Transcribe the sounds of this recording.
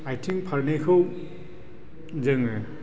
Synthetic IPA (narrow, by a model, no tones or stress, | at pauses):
ajtʰiŋpʰaɹnekʰɯw | zɯŋɯ